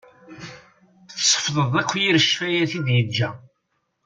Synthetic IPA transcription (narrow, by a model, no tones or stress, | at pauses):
θsˤːə̥fðˤəðˤækʷːjiɾəʃfæjæθiðjəd͡ʒːæ